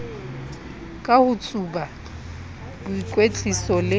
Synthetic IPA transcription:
kʼahʊt͡sʼuba | bʊikʼwet͡ɬʼisɔlɪ

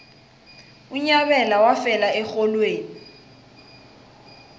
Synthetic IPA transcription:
ʊɲaβɛlawafɛlaɛk͡xɔlweːni

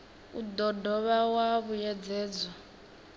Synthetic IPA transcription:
udɔdɔβawaβujɛd͡zɛːd͡zɔ

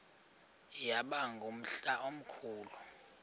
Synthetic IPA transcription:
jaɓaŋɡʱum̩ɬaʔom̩kʰuːlu

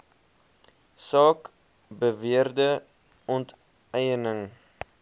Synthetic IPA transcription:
sɑːk | bəviərdə | ɔnt | ɛjənəŋ

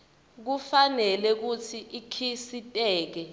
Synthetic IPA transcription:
k̬ufanɛlɛk̬utʰiʔikʰisitʼɛːk̬ɛ

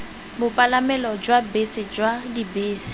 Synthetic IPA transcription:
bʊpʼalamɛlɔd͡ʒwabesɪd͡ʒwadibeːsɪ̥

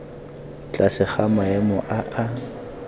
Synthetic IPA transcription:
t͡ɬʼasɪχamaɛmɔʔaʔa

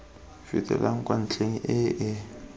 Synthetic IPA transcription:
fɪ̰tʼɛ̰laŋ̩kʼwan̩t͡ɬʰʼeŋ̩ʔɪʔɪ

